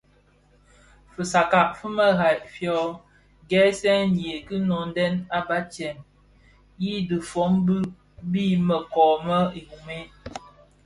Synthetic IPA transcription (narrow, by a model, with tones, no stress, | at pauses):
fə˨sa˨ka˨ʔfə˦mə˦ɣa˨jʔfjɔ˦ | ɡɛ˦sɛ˦n̩je˨kɨ˦nɔ˨n˦dɛ˦na˦ba˦t͡ʃɛ˨m | ji˦dɨ˨fɔ˨˦ŋbɨ˦ | bi˦mə˨kɔː˨mə˦i˨hu˨me˦